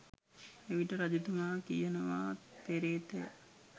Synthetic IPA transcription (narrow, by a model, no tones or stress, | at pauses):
eʋiʈəɾad͡ʒut̪umaːkijənəʋaːt̪eɾeːt̪ej